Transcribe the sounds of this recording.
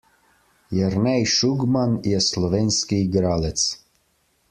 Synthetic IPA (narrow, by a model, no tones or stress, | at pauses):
jaɾnɛjʃuɡmaniɛslˠɔvʲɛnʲskʲijɡɾalɛt̪s